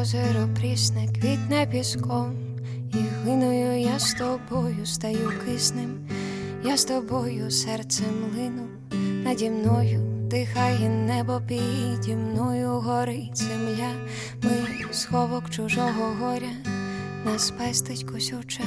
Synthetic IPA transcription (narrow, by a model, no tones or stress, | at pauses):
zɔɾɔpɾʲisnɪkʋʲid̪ʲnɛpʲiskɔm | iɦlˠɪnʊjʊjast̪ɔbɔjʊst̪ɐjukɪsnɪm | jast̪ɔbɔjʊsɛrt̪sɛmlˠɪnʊ | nɐdʲimnɔjʊd̪̥ɪxajɛnːɛbɔpʲijidʲimnɔjʊɦɔɾɪzemlʲa | mɪ | sxɔʋɔkt͡ʃʊʒɔɦɔɦɔɾʲɐ | nɐspɛst̪ɪtʲkʊsʲɔt͡ʃɛ